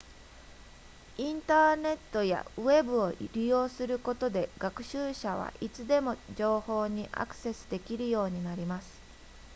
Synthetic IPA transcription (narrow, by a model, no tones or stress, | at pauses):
ĩnt̪aːne̞t̪ːo̞ja̰ɯ̟e̞bɯ̟o̞ɾʲijo̞ːsɨɾɯ̟ko̞t̪o̞d̪e̞ɡ̥akɯ̟̥ɕɨːɕaβ̞a̰ʔit͡sɨd̪e̞mo̞d͡ʑo̞ːho̞ːɲ̟iʔa̰kɯ̟̥se̞sɨ̥d̪e̞kʲiɾɯ̟jo̞ːɲ̟inaɾʲimasɨ̥